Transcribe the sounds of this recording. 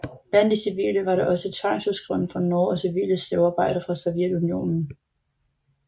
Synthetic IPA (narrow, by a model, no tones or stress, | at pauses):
b̥læn̰d̥isiʋḭːləʋɑ̈ɾɑʔɒ̽sət͡sʰʋɑ̈ŋ̰suðˠsɡ̥ʁɛʊ̰n̩fɒnɔɒsiʋḭːləsleʊɑ̈ːb̥ɑ̈ɪ̰ɾ̥ɐfʁɑ̈sɔʊjed̥unio̝̰ːnn̩